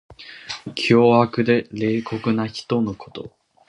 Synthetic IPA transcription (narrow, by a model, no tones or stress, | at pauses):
kʲʰoːakɯ̟d̪e̞ɾe̞ːko̞kɯ̟naçi̥t̪o̞no̞ko̞t̪o̞̰